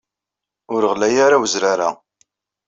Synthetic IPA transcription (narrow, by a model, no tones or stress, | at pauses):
ʊɾəʁlæjaɾawəzɾaɾa̰